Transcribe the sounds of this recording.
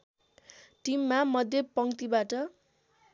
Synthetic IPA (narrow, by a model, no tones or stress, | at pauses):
ʈimːamʌd̪ʱjʌpʌŋt̪ibaʈʌ